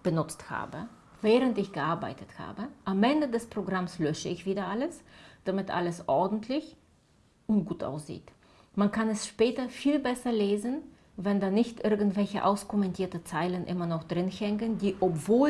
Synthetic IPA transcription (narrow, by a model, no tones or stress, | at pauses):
b̥ənʊt͡stha̰ːbə | vɛːʁəntɪçɡ̥əʔaɐba̰ɪtətha̰ːbəʔamʔɛndədɛspʁ̥oɡʁamslœʃəɪçv̥iːdɐʔaləsd̥amɪtʔa̰ləsʔɔɐdn̩tʰlɪç | ʔʊntɡ̥uːtʔa̰ʊsz̥ḭːt | mankʰanɛsʃpɛːtɐfiːlbɛsɐleːzən | vɛndaːnɪçtʔɪɐɡŋn̩tv̥ɛlçəʔa̰ʊskɔmɛntʰiːɐtət͡saɪlənʔɪ̰mɐnɔχd̥ʁɪnhɛŋkəndiːʔɔpv̥oːl